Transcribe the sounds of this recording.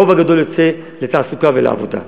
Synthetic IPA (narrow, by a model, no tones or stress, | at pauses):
ovaɡad̪olet͡se | let̪aːsukavela̰ːvo̰d̪a̰